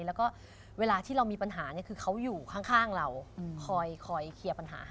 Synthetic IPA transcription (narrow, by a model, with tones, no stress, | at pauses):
lɛː˦˥wkɔː˥˩ | weː˧laː˧t̪ʰiː˥˩ɾa˧wmiː˧pa˧nɦaː˩˦ni˦˥˩kʰɯː˧kʰa˦˥wjuː˨˩kʰa˥˩ŋkʰaː˥˩ŋɾa˧wkʰɔː˧jkʰɔː˧jkʰi˧˩ɐpa˧nɦa̰ː˩˦˥